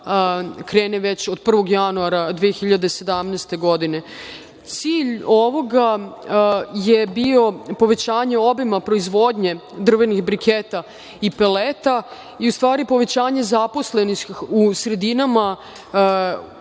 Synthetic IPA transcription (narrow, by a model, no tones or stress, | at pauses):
kɾe̞ːneʋe̞t͡ɕo̞d̪̚pr̩ʋo̞ɡjanuaɾad̪ʋijexiʎad̪ese̞d̪amneːst̪e̞ɡo̞d̪ine̞ | t̪siːʎo̞ʋo̞ɡa | je̞bio̞po̞ʋe̞t͡ɕaːɲe̞o̞bimapɾo̞izʋo̞d̪ɲe̞d̪r̩ʋe̞nixbɾikʰet̪a | ipelet̪a | iust̪ʋaːɾipo̞ʋe̞t͡ɕaːɲe̞zapo̞sle̞nixusɾe̞d̪inama